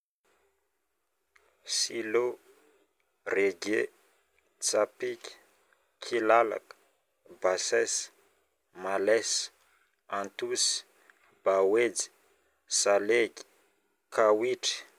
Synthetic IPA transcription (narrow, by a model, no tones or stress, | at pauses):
silo | reɡe | t͡sapikʲi̥ | kʰilala̰kə̥ | basɛs | malɛs | ant̪usi̥ | b̥awed͡zi̥ | saleɡi̥ | kʰawiʈ͡ʂə̥